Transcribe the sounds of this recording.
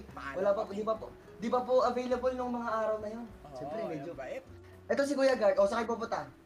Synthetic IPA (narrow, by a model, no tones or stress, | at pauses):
wɐlaːpɐpd̪ɪbɐpo | d̪ɪbɐpoʔɐvejlɐbolnʊŋmɐŋaʔaːɾɐwnɐjo̞nʃɛmpɾɛmɛd͡ʒo | ʔɛt̪os̬ɪɡujaɡɐd̪ʔo̞sɐkɐjbopʊt̪a